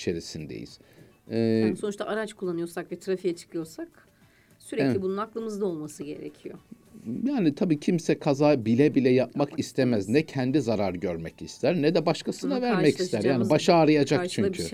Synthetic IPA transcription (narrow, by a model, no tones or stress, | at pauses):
t͡ʃʰe̞ɾisind̪ḛjḭz̥ | ɛːso̞nuʃt̪aʔaɾat͡ʃkʰulˠːanɯjo̞ɾsakvɛt̪ʰɾafijat͡ʃʰɯ̥kʰɯjoɾsak | syɾɛclʲibununaklˠɯmɯzd̪ao̞lˠmasɯɟe̞̰ɾḛcʰijo | jaːnit̪ʰabiːcʰimsɛkʰazaːbilʲɛbilʲɛjap̚makist̪ʰemɛznɛcʰænd̪izaɾaɾɟøɾmɛcist̪ʰæɾnɛd̪ɛbaʃkʰasɯnavæɾmɛcist̪ʰæɾjaːnibaʃaːɾɯjad͡ʒakt͡ʃʰycʰy